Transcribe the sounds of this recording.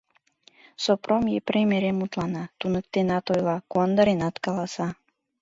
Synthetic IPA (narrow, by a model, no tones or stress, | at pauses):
sopromjepremeɾemut̪lɑnɑt̪unək̚t̪enɑt̪ojlɑkond̪əɾenɑt̪kɑlɑsɑ